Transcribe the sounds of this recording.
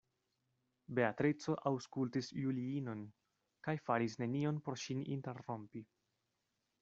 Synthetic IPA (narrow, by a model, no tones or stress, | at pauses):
be̞atɾit͡so̞ʔawskultisjuliino̞n | kajfaɾisne̞nio̞npo̞ɾʃinḭnte̞rːo̞mpi